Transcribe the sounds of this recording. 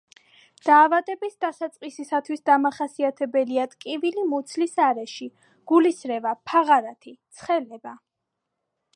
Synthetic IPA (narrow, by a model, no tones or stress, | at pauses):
d̪̥aːvad̪ʼɛbisd̪asat̪sʼqʼisisat̪ʰwisd̪amaχasiat̪ʰɛbɛliat̪ʼkʼivilimut̪sʰlisaɾɛʃi | ɡ̥ulisɾɛvapʰaʁaɾat̪ʰit̪sʰχɛlɛba